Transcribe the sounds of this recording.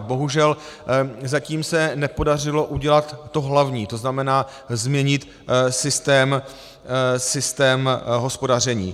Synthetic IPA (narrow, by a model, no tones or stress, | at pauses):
bo̞ɦuʒɛl | zaciːmsɛnɛpo̞dar̝ɪlo̞ʔuɟɛlat̪ːo̞ɦlavɲiːt̪oznamɛnaː | zmɲɛɲɪt̪ | sɪst̪ɛːm | sɪst̪ɛːmɦo̞spo̞dar̝ɛɲḭː